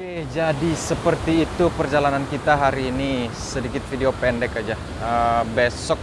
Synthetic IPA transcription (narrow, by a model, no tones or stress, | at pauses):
ed͡ʒadisəpərt̪iːt̪upərd͡ʒalanankit̪aɦaɾiːni | sədikɪt̪̚fideopɛndɛkad͡ʒa | əbesɔk̚